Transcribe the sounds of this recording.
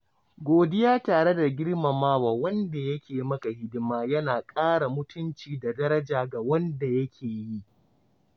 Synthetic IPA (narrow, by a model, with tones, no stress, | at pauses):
ɡʷoː˨dɪ˦jaː˦taː˨ɽe˦da˨ɡʲɪ˦ɽma˨maː˦waː˨wɐ˦nda˨jɐ˦kʲeː˨mɐ˦ka˨hɪ˦dɪ˦maː˦jɐ˦naː˨kʼaː˦ɽa˨mʊ˦tʊ˦nt͡ʃiː˨da˨dɐ˦ɾɐ˦d͡ʒaː˨ɡa˨wɐ˦nda˨jɐ˦kʲʰeː˨ji˦ʔ